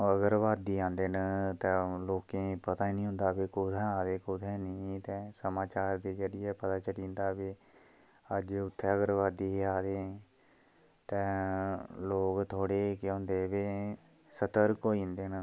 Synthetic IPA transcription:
əɡəɾʋaːd̪iːãːnd̪eːnət̪ɛ̃ːloːkẽːpət̪aːiːnĩːɦʊ̃nd̪aːbeːkʊd̪ɛ̃ːaːd̪eːkʊd̪ʰɛ̃ːnəːt̪ɛ̃ːsəmaːt͡ʃaːɾd̪eːd͡ʒəɾɪjɛːpət̪aːt͡ʃəɽĩːnd̪aːbeː | əd͡ʒʊt̪ʰːeːəɡəɾʋaːd̪iːɦaːd̪eː | t̪ɛ̃ː | loːkt̪ʰoːɽeːkːʊ̃nd̪eːʋeː | sət̪əɾkoːiːnd̪eːnə

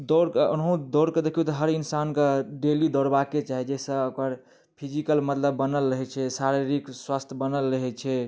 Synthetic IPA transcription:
d̪ɔɾkonɦũd̪ɔɾked̪ekʰijut̪ɔɦəɾinsankeɖelid̪ɔɾbaket͡ʃaɦɛd͡ʒɛsə̃okəɾ | pʰid͡ʒikəlmət̪ləbːənəlːəɦɛt͡ʃʰɛsaɾiɾikswast̪ʰəbənəlɾəɦɛt͡ʃʰɛ

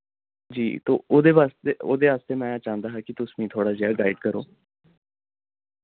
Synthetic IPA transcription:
d͡ʒiːt̪o̰ːoːd̪eːʋaːst̪eːoːd̪eːaːst̪eːmɛ̃ːt͡ʃãːnd̪aːɦaːkɪt̪ʊsmĩːt̪ʰoːɽaːzɪjaːɡaːɪɖkəɾo̰ː

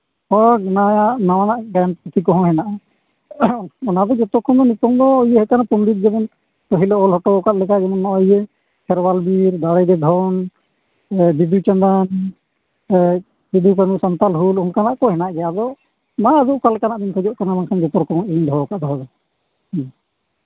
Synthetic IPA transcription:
ɔɡnajanawanaʔɡanput̪ʰikɔɦɔ̃ɦɛnaʔa | ɔnad̪ɔd͡ʒɔt̪ɔɾkʰɔnd̪ɔnit̪ɔnd̪ɔieɦɛkanapumdit̪̚d͡ʒɛmɔn | kɔɦilɛɔlɦɔʈɔkaʔ̪lɛkaɡɛmanːaje | kʰɛɾwalbiɾd̪aɽɛd̪ɛd̪ʱɔn | bid̪ut͡ʃand̪an | bid̪ukanusɔnt̪alɦulunkanaʔkɔɦɛnaʔɡɛad̪ɔ | maːd̪ɔʔkalkanaʔd̪inkʰɔd͡ʒɔʔkanamankʰand͡ʒɔt̪ɔɾkʰɔmɔiɲd̪ɔɔkaʔd̪ʱɔɦɔd̪ɔ

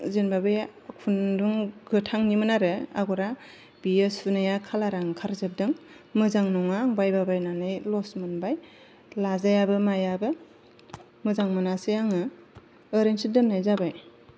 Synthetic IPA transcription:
zenbabɯjkʰunduŋɡɯtʰaŋnimɯnaɾɯaɡɔɾa | b̥iesunɯjakʰalaɾaŋkʰaɾzɯp̚dɯŋ | mɯzaŋnɔŋaːŋbajbabajnanɯjlɔsmɯnbaj | lazajabɯmajabɯ | mɯzaŋmɯnasɯjaŋɯ | ɯɾensidɯnːajzabaj

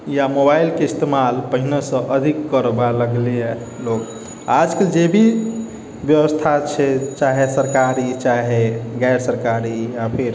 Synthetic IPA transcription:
jamobailkeist̪emalpəɦinesə̃ʔəd̪ʱikːəɾbaləɡlie | lok | ad͡ʒkeld͡ʒebʱi | bjəwəst̪ʰat͡ʃʰɛt͡ʃaɦesəɾkaɾit͡ʃaɦeɡaeɾsəɾkaɾijapʰiɾ

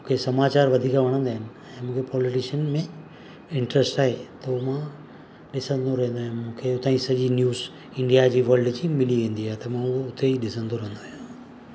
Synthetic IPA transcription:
mũːkʰesɐmaːt͡ɕaːɾʋɐd̪ʱiːkʋɐɽ̃ə̃nd̪aːɦɪnɪ̆ | ɛ̃ːmũːkʰepɔːlɪʈɪʃənmẽ | ɪ̃ɳʈɾəsʈaːɦet̪omã | ɗɪsə̃nd̪ʱoɾɐɦə̃nd̪ojãmũːkʰeʊt̪ãːĩsɐʄinjuːz | ɪ̃ɳɖijad͡ʑiːʋɐɾɖd͡ʑiːmɪliʋẽːn̆d̪iaːet̪ɐmãʊɦoʊt̪eiɗɪsə̃nd̪ʱoɾɐɦẽnd̪ojã

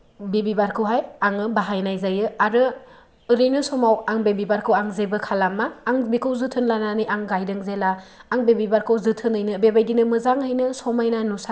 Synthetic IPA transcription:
bebibaɾkʰɯwɦajaŋɯbaɦajnajzajɯaɾɯ | ɯɾɯjnɯsɔmawaŋbebibaɾkʰɯwaŋzebɯkʰalamːaːŋbikʰɯwzɯtʰɯnlananɯjaŋɡajdɯŋzelaːŋbebibaɾkʰɯwzɯtʰɯnɯjnɯbebajdinɯmɯzaŋhɯjnɯsɔmajnanusa

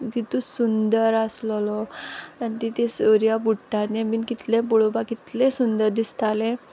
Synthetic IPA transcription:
kit̪ũsund̪əɾəsllɔant̪it̪esoɾijapuʈːat̪nemiːnkit̪lẽpuɭobakit̪lesund̪əɾd̪ist̪alẽ

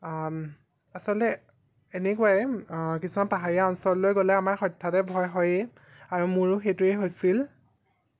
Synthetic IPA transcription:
asɔltɛː | nɛkuwajɛkisumanpaɦaɹiaɔnsɔllojɡolɛamaɹxɔjtʰːatɛbʱɔjɦɔje | aɹumʊɹʊxetʊeɦojsil

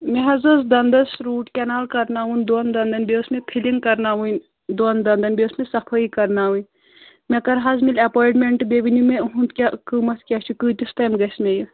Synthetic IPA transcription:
meɦɐzɐsd̪ɐnd̪ɐsɾuːʈkʲɛnaːlkɐɾnaːɦund̪ond̪ɐnd̪ɐnbesmẽpʰiliŋɡkɐɾnaʋun | d̪ond̪ɐnd̪ɐnbesmẽsɐpʰəikɐɾnaːɦun | mekɐɾɦazmilʲɐpoːjʈmeɳʈbeʋinumẽɦũnt̪kʲakɨmɐt̪ʰkʲɐt͡ʃʰukɨːt̪ist̪ɐjmɡɐsmeju

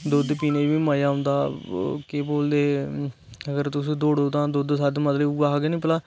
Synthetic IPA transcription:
d̪oːd̪piːneːd͡ʒʋiːmaːjaːɦʊ̃nd̪aːkɪboːld̪eː | əɡəɾt̪ʊsĩːd̪oːɽoːd̪ãːd̪oːd̪sad̪mət̪ləuaːɦaɡenĩːpəlaː

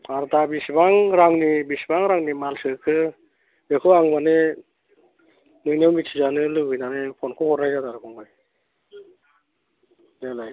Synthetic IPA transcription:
aɾdabisbaŋɾaŋnibisbaŋɾaŋnimalsɯkʰɯ | bekʰɯwaŋbane | nɯjnawmitʰizanɯlɯɡɯjnanɯpʰɔnkʰɔhɔɾɾajzadaɾɯkʰɔŋɡɯj | delaj

